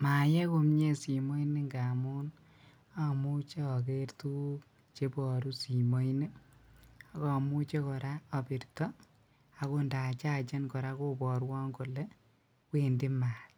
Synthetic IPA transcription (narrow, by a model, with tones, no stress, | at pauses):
ma˨je˦ko˧mɲe˦si˨mo˦jne˦ŋɡa˨mu˦n | a˨mu˦t͡ʃe˦ɔ˨ke˦rtu˦ | t͡ʃe˦bɔ˨ɾu˦si˨mo˦jne˦ | a˨kɔ˨mu˦t͡ʃe˦kɔ˨ɾa˦ɔ˨pi˨ɾtɔ˦ | a˨ko˦nda˨t͡ʃa˦t͡ʃe˦nkɔ˨ɾa˦ko˦bɔ˨ɾwɔ˦ŋko˨le˦ | kwendɪ˦ma˨l